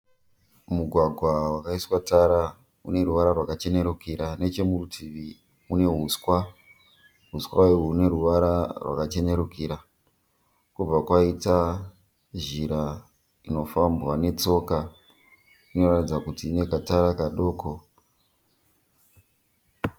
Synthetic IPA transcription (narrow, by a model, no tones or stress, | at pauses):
muɡʱwaɡʱwawakaiswataɾa | ṵne̞ɾuʋaɾarwakat͡ʃe̞ne̞ɾukiɾane̞t͡ʃe̞murutʰiʋi | une̞ɦuskwa | ɦuswaiuune̞ɾuʋaɾarwa̰kat͡ʃe̞ne̞ɾukiɾa | kub͡vakwaita | ʒiɾa | ino̞fambwane̞t͡so̞ka | ino̞ratid͡zakutiːne̞kataɾakaɗo̞ːko̞